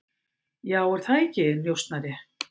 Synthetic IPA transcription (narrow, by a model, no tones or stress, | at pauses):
jaːwɛɾ̥θaðɛcɪnjowst̪naɾɪ